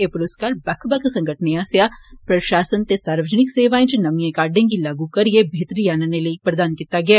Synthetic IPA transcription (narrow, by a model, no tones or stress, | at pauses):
epʊɾʊskaːɾbɐkʰbɐkʰsɐ̃ŋɡʱəʈʰneaːsjapɾɐʃaːsənt̪esaːɾʋəd͡ʒnɪkseːʋaːẽt͡ʃnɐmijẽkaːɾɖẽk̬ilaːɡukɐɾjebʱeːt̪ɾijaːnəneləipɾɐd̪aːnkiːt̪aɡɪjaː